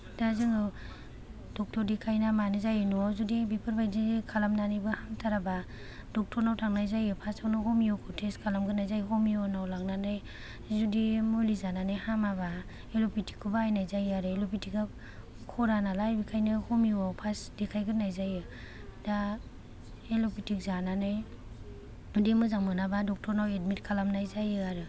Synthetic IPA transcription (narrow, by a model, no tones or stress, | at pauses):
dazɯŋɯ | dɔk̚tʰɔɾdikʰajnamanazajɯnuazudibipʰɯɾbajdiikʰalamnanijbɯhamtʰaɾaba | dɔk̚tʰɔɾnawtʰaŋnajzajɯpʰasawnahɔmiɔkʰɔtʰeskʰalamɡɯnajzajɦɔmiɔnawlaŋnanaj | zudimulizananajhamaba | elopitʰi̥kʰubaːjnajzajaɾɯelopitika | kʰɔɾanalajbikʰajnɯhɔmiwawpʰasdikʰajɡɯnːajzajɯ | da | elopitik̚zananɯj | ɯdimɯzaŋmɯnabadɔk̚tʰɔɾnawetmitkʰalamnajzajɯaɾɯ